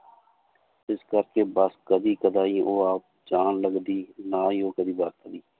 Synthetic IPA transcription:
ɪskəɾkeːbəskəd̪iːkəd̪aːiːoːaːp̚d͡ʒaːnləɡd̪iːnaːiːoːkəd̪iːbaːt̪̚kəd̪iː

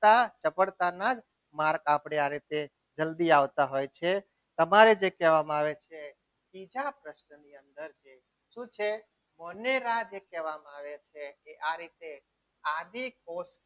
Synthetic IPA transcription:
t̪at͡ʃəpəɽt̪anad͡ʒ | maɾkapɽeaɾit̪e | d͡ʒəld̪iaʋt̪aɦojt͡ʃʰe | t̪əmaɾed͡ʒekɛʋamaʋet͡ʃʰe | bid͡ʒapɾəʃnəniənd̪əɾt͡ʃe | ʃũt͡ʃʰe | məneɾad͡ʒekɛʋamaʋet͡ʃʰekeʔaɾit̪e | ad̪ʱikos

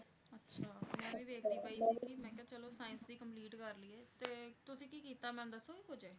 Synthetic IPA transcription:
ətːʃʰaːmɛ̃ːĩːʋeːkʰniːpaːiːsiːkimɛ̃ːkaːt͡ʃəloːsaːɪnsd̪iːkəmpliːʈkəɾliːɛːt̪eːt̪ʊsĩːkiːkiːt̪aːmɛ̃ːnd̪əsoːkiɦoːd͡ʒaːe

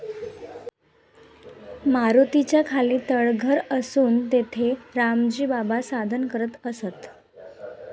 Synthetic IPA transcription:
maɾut̪it͡ɕjakʰaliːt̪əɭɡʱəɾəsuːnt̪et̪ʰeɾamd͡ʑiːbabasad̪ʱənkəɾət̪əsət̪

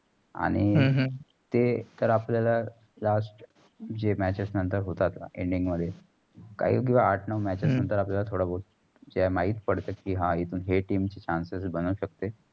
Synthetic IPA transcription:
a̰ɽ̃i | t̪et̪əɾapljala | lasʈ | d͡ʑemæt͡ɕesnənt̪əɾɦot̪at̪ḛɳɖiŋɡməd̪ʱːje | ka̰ɦḭːk̬ĩʋaːʈʰnəʋmæt͡ɕesnənt̪əɾapljalat̪ʰoɽabol | d͡ʑamaɦiːt̪pəɽt̪akiːɦãit̪uːnɦeʈiːmt͡ɕet͡ɕansesbənuːɕəkt̪e

